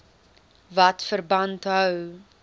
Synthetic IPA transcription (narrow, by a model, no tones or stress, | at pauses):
vɐtfərbɐntɦœw